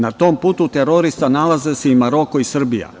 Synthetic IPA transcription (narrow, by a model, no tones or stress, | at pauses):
nat̪o̞mpuːt̪ut̪e̞ɾo̞ɾist̪analaze̞seimaɾo̞koisr̩bija̰